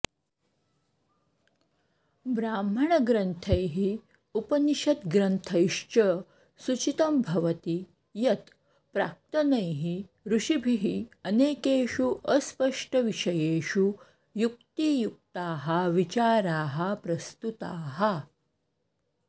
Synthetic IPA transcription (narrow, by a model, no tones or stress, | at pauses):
bɾaːm̤ɐɳɐɡɾɐnt̪ʰɐjɦi | upɐniʃɐt̪ɡɾɐnt̪ʰɐjʂt͡ʃɐ | sut͡ʃit̪ɐmbʱɐʋɐt̪i | jɐt̪ | pɾa̰ːk̚t̪ɐnɐjɦi | ɾuʂibʱiɦiəneːkeːʃuʔəspɐʂʈəʋiʂɐjeːʃu | juk̚t̪ijuk̚t̪aːɦɐʋit͡ʃaːɾaːɦɐpɾɐst̪ut̪aːɦɐ